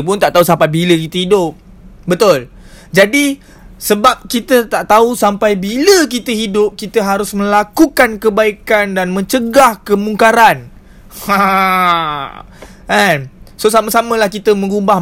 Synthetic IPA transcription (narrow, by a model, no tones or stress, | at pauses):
p̬ʊnt̪aʔt̪ausampajbiləkit̪əɦidʊp̚ | bət̪ʊl | d͡ʒadi | səbap̚kit̪ət̪aʔt̪ausampajbilək̬it̪əɦidʊp̚kit̪əɦaɾʊsmə̃lakukankəbaikandanmə̃ɲt͡ʃəɡahkəmuŋkaɾan | ha | ʔɛnsosaməsamə̃lahkit̪əmə̃ɡubah